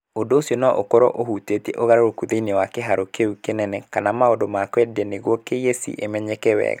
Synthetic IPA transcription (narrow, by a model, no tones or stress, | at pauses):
odoːsiɔnɔʔokɔɾɔ̰ʔohutetieʔoɣaɾoɾokuðeinewakeɦaɾokeukenɛnɛkanamaodomakwɛdiɛneɣwɔkejesḭʔemɛɲɛkɛwɛ̰ɣa